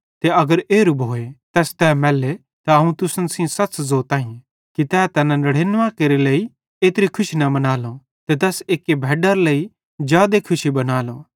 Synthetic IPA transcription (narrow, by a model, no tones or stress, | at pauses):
t̪eɐɡəɾeːɾʊbʱɦoːet̪ɛːst̪ɛːmɛːlːe | t̪aɐɦũt̪ʊsənsĩsɐszoːt̪ãːĩ | kit̪ɛːt̪ɛːnãnɐɽ̤eːnʋãːkeɾelei | eːt̪ɾikʰʊʃinɐbɐnaːlo | t̪et̪̬ɛːseːkːebʱɛːɖəɾlei | d͡ʒjaːd̪ekʰʊʃibɐnaːloː